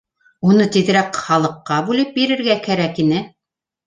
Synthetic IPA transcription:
unɤt̪iðɾæqχɑlˠɤ̆qːɑbʉlɘp̚biɾɘ̆ɾɡækæɾækinɘ

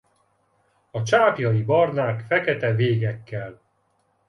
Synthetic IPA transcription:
ɒt͡ʃaːpjɒjibɒrnaːkfɛkɛt̪ɛveːɡɛkːɛl

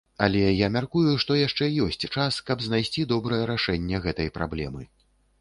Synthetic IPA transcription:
ɐlʲɛjamʲarkujuʂt̪ɔjaʂt͡ʂɛjɔsʲt͡sʲt͡ʂaskɐbzn̪ajsʲt͡sʲid̪ɔbɾɐjɐɾaʂɛnʲːɛɣɛt̪ɐjpɾa̰blʲɛ̰mɨ

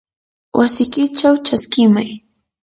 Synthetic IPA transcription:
wʔasɪkɪt͡ʃawt͡ʃaskɪmaj

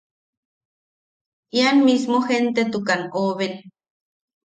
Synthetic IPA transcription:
ianmismoxent̪et̪ukanoβen

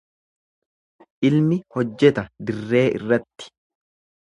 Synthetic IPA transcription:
ʔɪlmɪhɔd͡ʒːɛt̪ɐd̪ɪrːe̞ːʔɪ̰rːɐt̪ːɪ̥

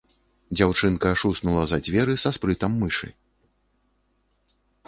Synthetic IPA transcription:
d͡zʲawt͡ʂɨnkɐʂusnulˠɐzɐd͡zʲvʲɛɾɨsaspɾɨt̪ɐmːɨʂɨ̰

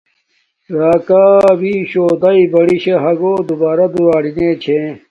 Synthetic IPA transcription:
ɾaːkaːbiɕoːd̪aibɐɽiɕeɦɐɡoːd̪ubaːɾɐd̪uɾaːɽinet͡ɕʰẽ

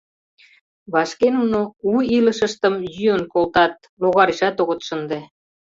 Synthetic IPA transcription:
βɑʃkenunouiləʃə̆ʃt̪ə̆mjyənkolt̪ɑt̪̚ | loɣɑɾiʃɑt̪oɣə̆t̪ʃə̆nd̪e

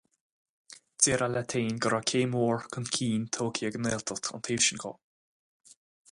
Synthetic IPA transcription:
t͡seːɾalat̪ʰeːnɡəɾakʰeːmoːɹkənkʰiːnt̪ʰoːkʰiəɡəneːlt̪ʰət̪ɔ̰nt̪ʰeːvʃənkʰɔ̰

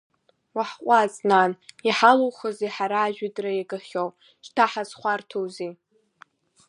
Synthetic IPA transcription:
waħqʷʼazʼnaniħalowχəziħaɾaːʒᶣadʼrajaɡʼaχʲow | ʃtʰaħazχʷartʰowzi

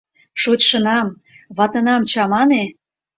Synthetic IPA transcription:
ʃot͡ɕʃənɑm | βɑt̪ɤnɑmt͡ɕɑmɑne

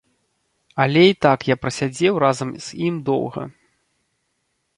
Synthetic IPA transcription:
ɐlʲɛit̪akjapɾɐsʲad͡zʲɛwɾazɐmz̥ʲimd̪ɔ̰wɣɐ̰

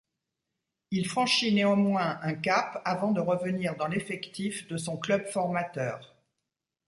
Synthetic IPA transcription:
ilfχɑ̃ʃineɑ̃mwɛ̃ʔɛ̃kapavɑ̃d̪əʁəvəniʁd̪ɑ̃lefɛkt̪ifd̪əsɔ̃klœbfɔʁmat̪œːʁ

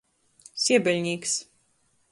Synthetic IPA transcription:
sʲiɛbʲɛlʲɲʲiːks

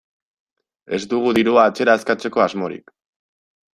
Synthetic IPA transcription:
e̞zd̪uɣ̞uðiɾuaːt͡se̞ɾaːskat͡se̞ko̞azmo̞ɾḭk

